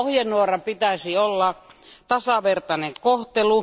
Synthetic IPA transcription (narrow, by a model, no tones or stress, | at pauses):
ohjenːˑuorɑpit̪æsiolːɑt̪ɑsɑʋert̪ɑneŋkoht̪elu